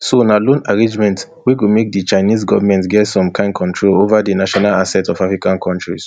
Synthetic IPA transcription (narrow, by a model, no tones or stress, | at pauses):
sonalõnaɹẽnd͡ʒmɛ̃nt | wikumek̚dit͡ʃaɪnizɡɔvamɛ̃ntɡɛtsɔ̃mkʰãɪ̃nkʰɔ̃ntʰɹolovadinaʃɔnalasɛtɔvafɹikãnkʰɔ̃ntɹḭs